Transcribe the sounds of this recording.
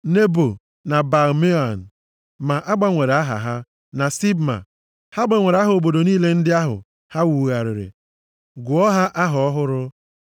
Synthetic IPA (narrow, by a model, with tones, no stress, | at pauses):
ne˦bo˨ | na˨ba˨ɾme˦a˨n̩˨ | ma˨ʔa˦ɡ͡ba˨ŋʷe˨ɾa˦ɦa̰˨ɦa˦ | na˨si˦bma̰˨ | ha˦ɡ͡ba˨ŋʷe˨ɾa˦ɦʊ˨o˨bo˨do˨niː˦le˦n̩˦dɪ˦a˦ɦʊ̰˨ | ha˦wu˨ɣa˨ɾɪ̰˨ɾḛ˨ | ɡʊ˨ɔ˦ɦa˦ʔa˦ɦɔ˨ɔ˦ɦʊ˦ɾʊ˦